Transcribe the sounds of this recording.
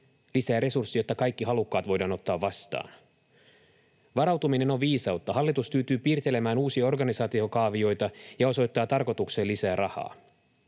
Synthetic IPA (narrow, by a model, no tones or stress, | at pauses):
lisæːɾe̞sursːijo̞t̪ːɑkɑjkːiɦɑlukːɑːt̪ʋo̞jdɑːno̞t̪ːɑːʋːɑst̪ɑ̰ːn | ʋɑɾɑwt̪umine̞no̞ʋʋiːsɑwt̪ːɑɦɑlːit̪uspyːt̪yːpiːrt̪e̞le̞mæːnuːsiɑo̞rɡɑnisɑːt̪io̞kɑːʋio̞jt̪ɑjɑo̞so̞jt̪ːɑːt̪ɑrko̞t̪ukse̞ːlisæːrʔɑhɑ̰ː